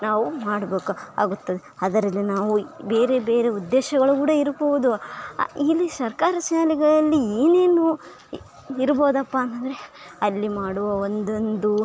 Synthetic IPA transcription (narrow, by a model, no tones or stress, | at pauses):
naːʋumaːɽɐbe̞ːkua̰ːɡut̪ːɐd̪eɐd̪ɐɾɐlːinaːʋubeːɾebe̞ːɾe̞ud̪ːeːʃɐɡɐɭukuːɽɐiɾboʋud̪u | ilːisɐɾkaːɾɐʃaːliɡɐɭɐlːieːne̞ːnu | iɾboːd̪ɐpːɐɐnt̪ɐnd̪ɐɾe | ɐlːimaːɽuʋɐond̪ond̪u